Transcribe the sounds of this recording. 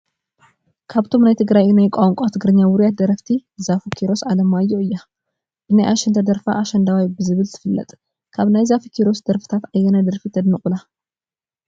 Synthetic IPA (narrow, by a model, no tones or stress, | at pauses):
kʰaβt̪ʰo̞mnajt̪ʰɨɡɾajnajkʷʼawŋkʷʼat̪ʰɨɡɾɨɲːawʊɾijat̪̚d̪ɐɾɐft̪ʰizafukʰiɾo̞sʔalɐmajːoʔɨjːa | ʔɨnajʔaʃɛnt̪ʰɐd̪ɐɾfa̰ʔːʃɐnd̪awajbɨzɨβɨlt̪ʰɨ̥fɨlːɐ̰t̪ʼ | kʰaβnajzafikʰiɾo̞sd̪ɐɾfɨ̥t̪ʰat̪ajːɛnajd̪ɐɾfit̪ʰɐd̪nɨχʼula